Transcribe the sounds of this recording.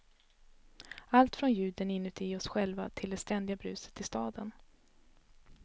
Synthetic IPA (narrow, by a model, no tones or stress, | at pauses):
alt̪fɾɔnjʉ̟ːd̪ənɪnːɵt̪ʰɪɔsɧɛlvat̪ʰɪld̪ɛst̪ɛnd̪ɪɡabɾʉ̟ːsə̥t̪ʰːɪlst̪ɑːd̪ən